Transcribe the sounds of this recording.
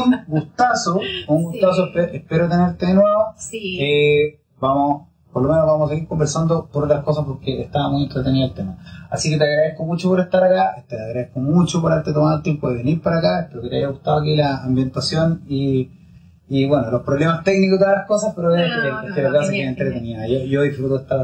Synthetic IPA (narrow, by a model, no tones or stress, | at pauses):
unɡust̪asouŋɡust̪as̬oepeʔehpeɾot̪eneɾt̪eðenwe̞βoe | bamo | poɾlomenoβamosas̬eɣiɾko̞mbeɾsand̪opoɾolahkos̬apo̞ɾkeeht̪aβamujent̪ɾet̪eniðaelt̪emaasike̞t̪eaɣɾaðehkomut͡ʃopoɾeht̪aɾakaet̪eaɣɾaðehkomut͡ʃopoɾaeɾt̪et̪omaðolt̪jempoðeβeniɾpaɾakaehpeɾoket̪ea̰jaɣut̪aoak̬ilaːmbje̞nt̪asjoni | βwenolohpɾoβle̞mast̪e̞knikod̪oðalahkosapeɾoðekokekat̪eɾakasakeent̪ɾet̪eniajoʝoðifɾut̪oeht̪a